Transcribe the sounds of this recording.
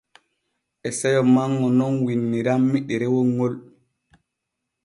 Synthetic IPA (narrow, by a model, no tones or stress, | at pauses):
ʔɛsɛjɔmaŋːɔnɔnwinːiɾamːiɗɛɾɛwoŋːol